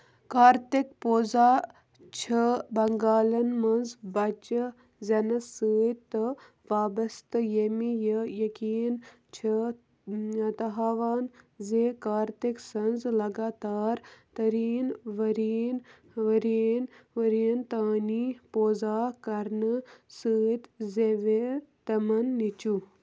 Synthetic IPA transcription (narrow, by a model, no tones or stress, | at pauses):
kaːɾt̪ekpoːzaː | t͡ʃʰɐbɐŋɡaːlɐnmɐnzbɐt͡ʃə | zʲɐnɐsəːjt̪ɨ | ʋaːbɐst̪jemijəjɐkiːn | t͡ʃʰɐ | t̪ɐɦaːʋaːnzeːkaːɾt̪iksɐnzlɐɡaːt̪aːɾt̪ɐɾiːnʋɐɾiːn | ʋɐɾinʋɐɾint̪aːnipoːzaːkɐɾnɨsəːt̪zeʋet̪ɐmɐnːit͡ʃu